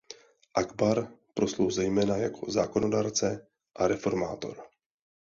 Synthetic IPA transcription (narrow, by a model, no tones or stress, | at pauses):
ʔaɡbaɾpɾo̞slowzɛjmɛːnaja̰kʰo̞zaːko̞no̞daːɾt͡sɛ | ʔaɾɛfo̞ɾma̰ːt̪o̞̰ɾ